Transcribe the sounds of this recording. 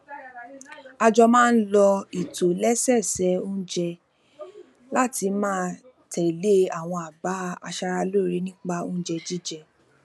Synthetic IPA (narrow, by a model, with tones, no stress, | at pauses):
a˧d͡ʒɔ˧mãː˦˧n̩˦lɔ˧i˨to˨lɛ˦sɛ˦˨sɛ˨˦o˦d͡ʒɛ˧ | la˦ti˧mãː˦ | tɛ˨i˨le˦a˨w̃ɔ̃˧a˨ba˨˦a̰˧ʃa˧ɾa˧lo˦˨ɾe˦nĩ˦k͡pa˧õ˦d͡ʒɛ˧d͡ʒi˦d͡ʒɛ˧